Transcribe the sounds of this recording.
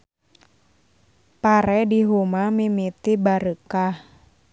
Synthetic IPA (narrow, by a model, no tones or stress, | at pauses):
paɾɛdiɦumamimit̪ibaɾəkah